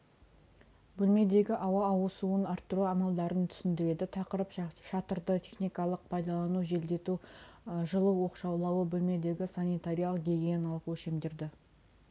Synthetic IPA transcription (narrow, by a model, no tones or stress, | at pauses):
bɵlme̞d̪e̞ɡʲɪʔɑwɑːwəsuənɑɾt̪ːəɾuɑmɑlˠd̪ɑɾənt̪ʰʏ̥sɪnd̪ɪɾe̞d̪ɪt̪ʰɑqəɾəpʃɑt̪əɾd̪ət̪ʲʰe̞χnijkɑlˠəq̚pʰɑjd̪ɑlˠɑnuʒe̞ld̪e̞t̪u | ʒəlˠəwwo̞qʃɑwlˠɑwəbɵlme̞d̪e̞ɡʲɪsanijt̪aɾʲijalˠəqɡʲe̞ɡʲenɑlˠquʃe̞md̪ɪɾd̪ɪ